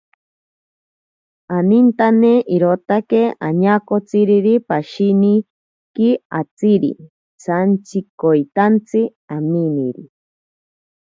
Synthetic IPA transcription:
anint̪aneiɾot̪akea̰ɲakot͡siɾiɾipaʃini | kia̰t͡siɾḭ | t͡sant͡sikojt̪ant͡si | aminiɾḭ

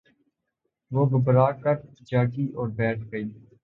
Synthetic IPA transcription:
ʋoːɡʊbɾaːɾkəɾd͡ʒaːɡiːʔɔːɾbɛːʈʰɡəiː

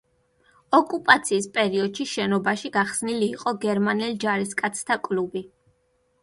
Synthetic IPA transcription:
ɔkʼupʼat̪sʰiːspʼɛɾiɔd̪̥ʃiʃɛnɔbaʃiɡaχsniliːqʼɔɡɛɾmanɛld͡ʒaɾiskʼat̪sʰt̪ʰakʼlubi

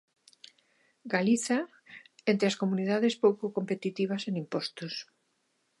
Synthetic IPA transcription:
ɡaliθa | ent̪ɾɪaskomuniðaðespowkokompet̪it̪iβ̞ɐsenimpɔst̪os

